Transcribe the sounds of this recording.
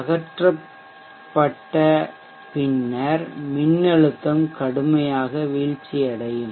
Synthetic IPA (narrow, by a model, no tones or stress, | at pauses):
ɐɣɐʈrɐ | pːɐʈːɐ | pɪnːɐɾmɪnːɐɻɯt̪ːɐmkɐɽɯmɐjaːɣɐʋiːɻt͡ʃːiɐɽɐjɯm